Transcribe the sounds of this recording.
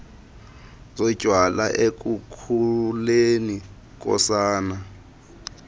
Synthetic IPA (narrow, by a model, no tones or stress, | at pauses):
zɔ̥ʒ̥ʱwalaʔek̬ʼukʰuleni | k̬ʼɔ̰saːna